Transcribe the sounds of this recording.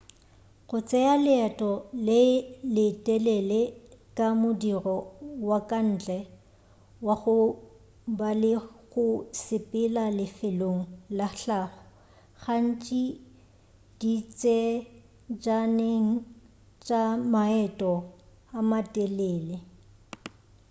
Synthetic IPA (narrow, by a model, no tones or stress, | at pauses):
ɣʊt͡sʼɛalɪɛtʼɔlelɪtʼɛlɛlekʼamʊdirɔwakʼan̩ːt͡ɬʼɛ | waɣʊ | balɪɣʊsɪpʼɪlalɪfɪloŋ̩laɬaːχɔ̥ | ɣan̩t͡ʃʼi | d̥it͡sʼɛ | d͡ʒaneŋ̩ | t͡ʃʼamaɛtʼɔ | amatʼɛleːle